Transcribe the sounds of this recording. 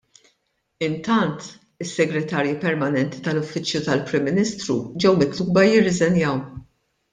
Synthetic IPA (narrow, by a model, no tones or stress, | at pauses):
ɪnt̪ɐnt̪ | ɪsːɛɡɾɛt̪ɐːɾjipɛɾmɐnɛnt̪i̥t̪ɐlʊfːɪt͡ʃjut̪ɐlpɾɪmːɪniːst̪ɾṵd͡ʒɛwmɪt̪luːbɐjɪrːɪzɛnjɐw